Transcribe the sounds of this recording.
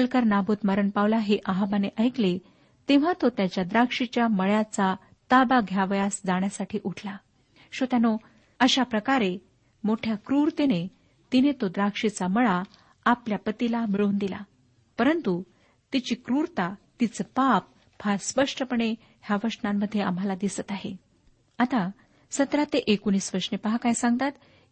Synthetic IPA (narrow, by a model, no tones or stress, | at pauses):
əlkəɾnabʱuːt̪məɾəɳpaʋlaɦeʔaɦabaneʔəjkle | t̪eʋ̤at̪ot̪jat͡ɕjad̪ɾakʂit͡ɕjaməɭjat͡sa | t̪abaɡʱjaʋjasd͡zaɳjasaʈʰiːʔuʈʰla | ɕot̪jano | əɕapɾəkaɾe | moʈʰjakɾuɾt̪ene | t̪inet̪od̪ɾakʂit͡saməɭa | apljapət̪ilamiɭuːnd̪ila̰ | pəɾənt̪u | t̪it͡ɕiːkɾuɾt̪at̪it͡səpap̚ | baɾspəʂʈʰəpəɳe | ɦjaʋəʂnamːəd̪ʱːjea̰m̤alad̪isət̪aɦe | at̪a | sət̪ɾat̪eʔekoniːsʋəɾʂnepəɦakajsãŋɡt̪at̪